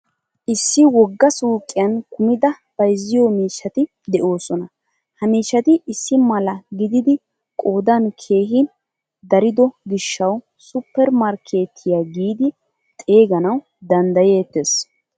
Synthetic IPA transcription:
ʔɪsːɪwɔɡːɐsuːkʼːɪjɐnkʊmɪd̪ɐ | b̥ɐjzːɪjɔmiːʃːɐt̪ɪ | d̪ɛʔo̞ːsɔnɐ | hɐmiːʃːɐt̪ɪʔɪsːɪmɐlɐɡɪd̪ɪd̪ɪ | kʼo̞ːd̪ɐnkʰe̞ːɦɪn | d̪ɐɾɪd̪ɔɡɪʃːɐw | sʊpːɛɾmɐɾkʰe̞ːt̪ʰɪjaɡiːd̪ɪ | t̪ʼe̞ːɡɐnɐw | d̪ɐnd̪ɐjeːt̪ːes

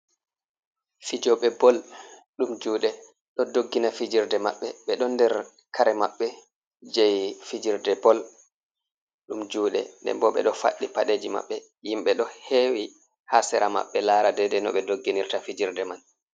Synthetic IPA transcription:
fid͡ʒɔɓɛbɔlɗumd͡ʒuːɗɛ | ɗɔdoɡːinafid͡ʒiɾdɛma̰ɓːɛɓɛɗɔndɛɾ | kʰaɾɛmaɓːɛ | d͡ʒɛjfid͡ʒiɾdɛbɔl | ɗumd͡ʒuːɗɛ̰ndɛ̰mbɔɓɛ̰ɗɔfa̰ɗːipaɗeːd͡ʒima̰ɓːɛ | jimɓɛɗɔhewi | hasɛɾama̰ɓːɛlaːɾadɛdɛnɔ̰ɓɛdoɡːiniɾtafid͡ʒiɾdɛman

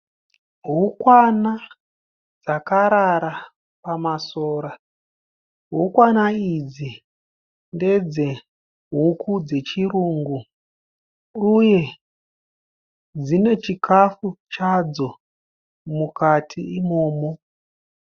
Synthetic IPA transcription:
ɦukwana | d͡zakaɾaɾa | pamasoːɾa | ɦukwanaid͡zi | nde̞d͡ze̞ | ɦukʰud͡ze̞t͡ʃiɾuːŋɡu | uje̞ | d͡zine̞t͡ʃikʰafut͡ʃad͡zo̞ | mukatʰiimo̞ːmo

